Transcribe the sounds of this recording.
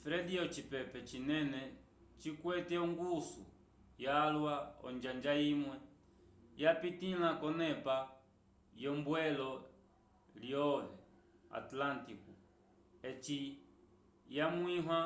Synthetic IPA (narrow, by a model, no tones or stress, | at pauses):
fɾɛdiɔt͡ʃipɛpɛt͡ʃinɛnɛ | t͡ʃikwɛtɛɔŋɡusṵ | jaːlwaɔ̰nd͡ʒand͡ʒaimwɛ | japitilakɔnɛpa | jɔmbwɛlɔ | ljɔðɛ | a̰tlantiku | ɛt͡ʃi | jamwiɦwa